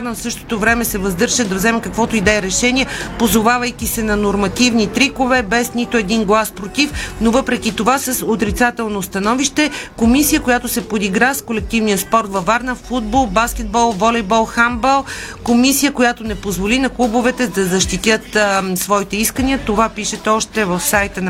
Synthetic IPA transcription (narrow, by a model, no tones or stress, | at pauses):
ɾnəfsɤʃt̪o̥t̪ovɾɛmɛsɛvɐzd̪ɤɾʒəd̪ɐvzɛmɛkəkvɔt̪ʊid̪ɛɛɾɛʃɛniɛpozovavəjk̟ʲisɛnɐnoɾmɐt̪ivnit̪ɾikovɛbɛsnit̪oɛd̪inɡlˠaspɾot̪ifnovɤpɾɛk̟ʲit̪ovasɐsot̪ɾit̪sat̪ɛlˠnost̪ɐnɔviʃt̪ɛkomisijəkojat̪ʊsɛpod̪iɡɾaskolɛk̚t̪ivnijəspɔɾt̪vɐvaɾnəffud̪̚bɔlˠbaskʲɛd̪̚bɔlˠvɔlɛjbɔlˠxambɛlˠkomisijəkojat̪onɛpozvolinɐklˠubovɛt̪ɛd̪ɐzɐʃt̪it̪ʲjət̪svɔit̪ɛiskəniət̪ovapiʃɛt̪ɛɔʃt̪ɛvəfsajt̪ən